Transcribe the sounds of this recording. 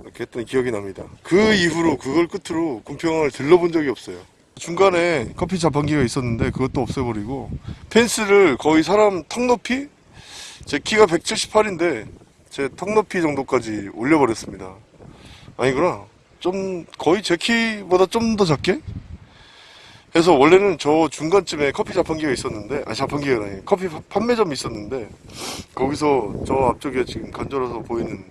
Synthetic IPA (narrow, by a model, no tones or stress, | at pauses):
kʰet͈ʌnkijʌɡinamɲida̰kɯiɸuɾokɯɡʌɭk͈ɯtʰɯɾokumpʰjʌŋɯɭtɯɭːʌbond͡ʑʌɡiʌp̚s͈ʌjo | t͡ɕuŋɡane̞kʰʌp̬ʰit͡ɕapʰanɡiɡais͈ʌnːɯnde̞kɯɡʌt͈oʌp̚s͈ʌbʌɾiɡopʰens͈ʰɯɾɯɭkʌis̬ʰaɾamtʰʌŋnopʰi | t͡ɕe̞kʰiɡape̞k̚t͡ɕʰiɭɕʰi̥pʰaɾinde̞ | t͡ɕe̞tʰʌŋnopʰid͡ʑʌŋdok͈ad͡ʑioʎːʌbʌɾjʌs͈ɯmɲidaː | ɲiɡɯna | t͡ɕ͈omkʌit͡ɕe̞kʰibodat͡ɕomdʌt͡ɕak͈̚e̞ | ke̞s̬ʰʌwʌɭːe̞nɯnt͡ɕʌt͡ɕuŋɡant͡ɕ͈ʰɯme̞kʰʌpʰid͡ʑapʰanɡiɡais͈ʌnːɯnde̞ʔa̰ɲt͡ɕapʰanɡiɯɾaɲikʰʌpʰipʰanːe̞d͡ʑʌmis͈ʌnːɯnde̞kʌɡis̬ʰʌt͡ɕʌap̚t͡ɕ͈oɡe̞t͡ɕiɡɯmkand͡ʑʌɾas̬ʰʌpoinɯn